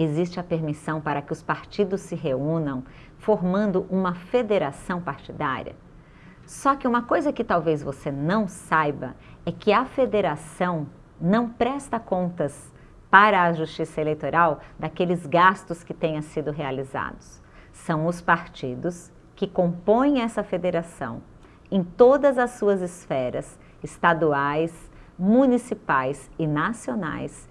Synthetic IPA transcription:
ezist͡ʃɪɐpeɾmisɐ̃w̃paɾɐkɪʊspaɾt͡ʃid̪ʊsːɪɦeũnɐ̃w̃ | foɾmɐ̃nd̪ʊʔũmɐfed̪eɾasɐ̃w̃paɾt͡ʃid̪a̰ɾḭɐ̰ | sɔkɪũmɐkojzɐkɪt̪awvezvosenɐ̃w̃sajbɐ̰ɛkɪɐfed̪eɾasɐ̃w̃ | nɐ̃w̃pɾɛst̪ɐkõnt̪ɐs | paɾɐːʒust͡ʃisɐelejt̪oɾawd̪akelɪzɡast̪ʊskɪt̪ẽjɲɐ̃sid̪ʊɦealiza̰d̪ʊs | sɐ̃w̃ʊspaɾt͡ʃid̪ʊs | kɪkõmpõj̃ɛsɐfed̪eɾasɐ̰̃w̃ | ẽj̃t̪od̪ɐzɐsːuɐzɪsfɛɾɐs | ɪst̪ad̪uajsmũnisipajsɪnasiona̰js

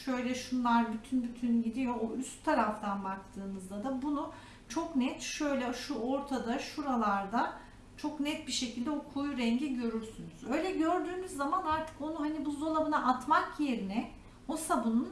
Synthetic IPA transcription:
ʃø̞jlʲɛʃunlˠaɾbyt̪ʰynbyt̪ʰynɟid̪ijo̞ːʔyst̪t̪ʰːaɾaft̪ʰanbak̚t̪ʰɯːmɯzd̪ad̪abunu | t͡ʃʰo̞knɛt̪ʃø̞jlʲɛʃuoɾt̪ʰad̪aʃuɾalˠaɾd̪a | t͡ʃʰo̞knɛt̪̚biʃe̞cʰilʲd̪ɛokʰujɾɛɲɟiɟø̞ɾyɾsynuzø̞jlʲɛɟø̞ɾd̪yːmyzːamanaɾt̪ʰɯ̥ko̞nuɦanibuzo̞lˠabɯnaʔat̪makje̞ɾinɛ | o̞sabunun

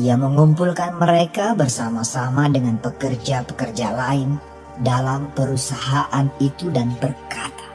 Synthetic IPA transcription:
ijaməŋumpulkanməɾekabərsamasamadəŋanpəkərd͡ʒapə̥kərd͡ʒalaɪn | dalampəɾusaɦaʔanit̪udanbərkat̪ḁ

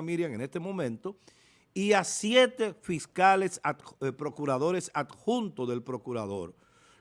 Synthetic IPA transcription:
miɾjaŋene̞st̪emõ̞mẽnt̪o̞ | iasjet̪e̞fiskale̞sapɾo̞kuɾaðo̞ɾe̞sat̪xunt̪oðe̞lpɾo̞kuɾaðo̰ɾ

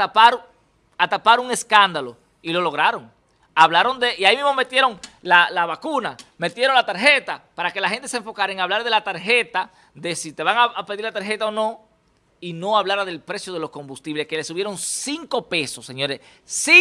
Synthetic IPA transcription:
t̪apaɾ | at̪apaɾuŋe̞skand̪alo̞ | ilo̞lo̞ɣ̞ɾaɾo̞ŋ | aβlaɾo̞nd̪eiaimizmo̞me̞t̪je̞ɾo̞ŋlalaβakuname̞t̪je̞ɾolat̪aɾɦe̞t̪apaɾake̞lahe̞nt̪e̞sẽɱfo̞kaɾaeŋaβlaɾðe̞lat̪aɾxe̞t̪a | ðe̞sit̪e̞βaŋaapeðiɾlat̪aɾxe̞t̪aonõ̞ | ino̞aβlaɾaðe̞lpɾe̞sjo̞ð̞elo̞sko̞mbust̪iβle̞ske̞le̞suβje̞ɾo̞ŋsiŋko̞pe̞so̞sːeɲo̞ɾessi

